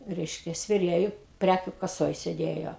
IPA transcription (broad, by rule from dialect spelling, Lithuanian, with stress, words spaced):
ˈrʲɛɪʃʲkʲɛ sʲʋʲɛˈrʲeːjʊ ˈpʲrʲækʲʊ kɐˈsoːj sʲɛˈdʲeːjoː